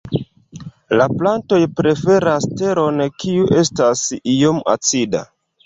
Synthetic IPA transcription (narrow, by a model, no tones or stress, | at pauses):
laplanto̞jpɾe̞fe̞ɾaste̞ɾo̞nkiuʔe̞stasijomʔa̰t͡sida̰